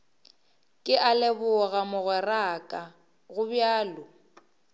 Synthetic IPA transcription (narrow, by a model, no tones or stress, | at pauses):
kʼɪʔalɪbʊɣamʊɣɛrakʼa | ɣʊbjaːlʊ